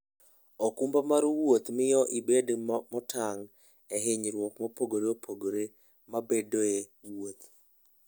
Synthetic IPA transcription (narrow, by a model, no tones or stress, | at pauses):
okumbamaɾwot̪mɪjɔʔibedmɔtʰaŋ | ɛɦɪɲɾwɔkmopoɡoɾeopʰoɡoɾe | mabedoewot̪̚